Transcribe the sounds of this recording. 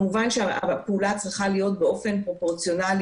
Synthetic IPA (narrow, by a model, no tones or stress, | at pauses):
muvanʃeaapeulat͡sʁiχalijo̞t̚beo̞fe̞npʁo̞po̞ʁt͡sijo̞nal